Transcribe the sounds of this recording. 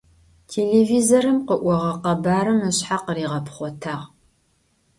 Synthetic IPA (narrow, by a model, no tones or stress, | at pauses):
tʰeːleːvizoɐɾɨmqəʔʷɔʁɐqɐbaːɾɐmɨɕħaqəriːʁɐpχʷɔtʰaːʁ